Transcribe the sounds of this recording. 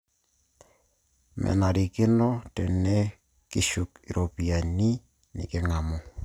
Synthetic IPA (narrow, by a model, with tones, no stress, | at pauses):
mɛ̰˨na˨ɾi˨kɪ˦nɔ˦tɛ˨nɛ˦ | ki˨ʃu˨ki˨ɾo˨pi˨a˨ni˦ | nɪ̰˨kɪ˦ŋa˨mɔ˦